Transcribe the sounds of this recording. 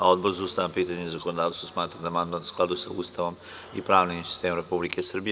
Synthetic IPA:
ao̞d̪bo̞ɾzust̪ajampiːt̪aɲeizakonod̪aːsosmaːt̪ɾad̪amand̪mansklˠad̪usauːst̪aʋo̞m | ḭpɾaːʋniminsi̥st̪eːmomɾepublike̞sr̩bij

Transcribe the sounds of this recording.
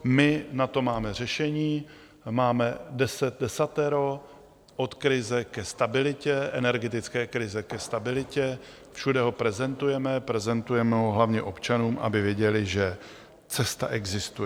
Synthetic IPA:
mɪnat̪o̞maːmɛr̝ɛʃɛɲiː | maːmɛdɛsɛt̪̚dɛsat̪ɛɾo | ʔo̞t̪kɾɪzɛkɛst̪abɪlɪcɛʔɛnɛɾɡɛt̪ɪt͡skɛːkɾɪzɛkɛst̪abɪlɪcɛ | fʃudɛɦo̞pɾɛzɛnt̪ujɛmɛpɾɛzɛnt̪ujɛmɛɦoɦlavɲɛʔo̞pt͡ʃanuːmʔa̰bɪvjɛɟɛlɪʒɛ | t͡sɛst̪a̰ʔɛɡzɪst̪uɛ

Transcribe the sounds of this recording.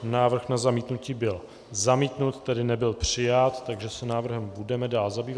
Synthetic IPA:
naːvr̩xnazamiːt̪nuciːbɪl | zamiːt̪nut̪ːɛdɪnɛbɪlpr̝̥ɪjat̪ːaɡʒɛsɛnaːvr̩ɦɛmbudɛmɛdaːlzabiːva

